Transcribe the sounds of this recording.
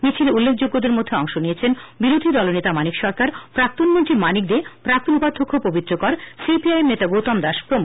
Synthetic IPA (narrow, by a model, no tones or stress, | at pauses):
mit͡ɕʰileulːekʰd͡ʑoɡːod̪eɾmod̪ʱːeɔŋʃonijet͡ɕʰenbiɾod̪ʱid̪ɔlonet̪amanikʃɔɾkaɾpɾak̚t̪onmont̪ɾimanik̚d̪epɾak̚t̪onupad̪ʱːokʰːopobit̪ːɾokoɾsipiajemnet̪aɡowt̪amd̪aʃpɾomo